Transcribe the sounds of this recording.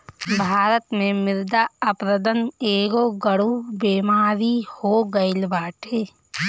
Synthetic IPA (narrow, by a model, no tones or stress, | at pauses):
bʱaːɾət̪mẽmɪɾd̪aəpɾəd̪əneːɡoːɡəɽubeːmaːɾihoːɡəɪlbaːʈʰeː